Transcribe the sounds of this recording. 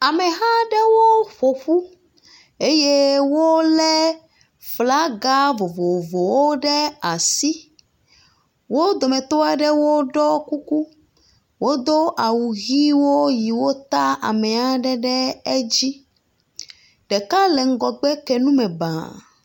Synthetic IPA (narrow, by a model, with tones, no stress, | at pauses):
a˨mɛ̃˨ɦã˦ɖɛ˦wo˦ɸo˨ɸu˦ | e˦je˦wo˦lɛ˦ | fla˦ɡa˦vo˨vo˨vo˨wo˦ɖɛ˦a˨si˦ | wo˦d̪o˨mɛ̃˨t̪o˦a˦ɖɛ˦wo˦ɖɔ˦ku˦ku˦ | wo˦d̪o˦ʔa˨wu˨ɣi˦wo˦ji˨wo˦t̪a˦ʔa̰˨mɛ̃˨a˦ɖɛ˦ɖɛ˦e˦d͡ʑi˦ | ɖɛ˨ka˦lɛ˨ŋ̩˦ɡɔ˨ɡ͡bɛ˦kɛ˨nũ˦mɛ˨bã̰˨